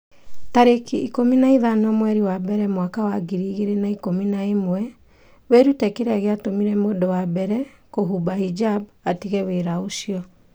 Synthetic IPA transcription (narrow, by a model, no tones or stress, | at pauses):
taɾekiikominaiðanɔmwɛɾiwabɛɾɛmwakawaɡiɾiːɣeɾenaikominaemwɛ | weɾutɛkeɾeaɣeatomiɾɛmodɔwabɛɾɛkoɦubaid͡ʒabatiɣɛweɾaosiɔ